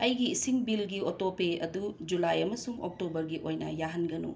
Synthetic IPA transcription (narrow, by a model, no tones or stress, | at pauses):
ɐjɡiːsiŋbilɡiotopeɐdud͡ʒulajɐmɐsuŋok̚tobɐɾɡiʔojnɐjaɦɐnɡɐnṵ